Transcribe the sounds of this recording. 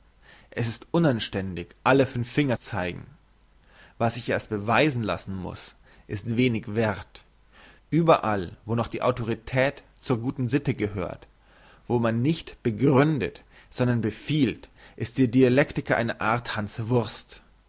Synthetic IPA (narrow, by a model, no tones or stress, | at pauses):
ʔɛsɪstʔʊnanʃtɛndɪçʔaləfʏnfːɪŋɐt͡saɪɡŋ̩ | vasɪçʔeːɐst̚b̥əvaɪzn̩la̰sn̩mʊ̰s | ʔɪstv̥eːnɪçv̥ɛɐt | ʔyːbɐʔalvoːnɔχd̥iːʔa̰ʊtoʁ̞itʰɛːt | t͡suːɐɡuːtn̩zɪtəɡəhø̰ːɐt | v̥oːmanːɪçtb̥əɡʁʏndət | z̥ɔndɐnbəfiːltʔɪst̚d̥iːɐdialɛktɪkɐʔa̰ɪnəʔaɐthant͡sv̥ʊɐst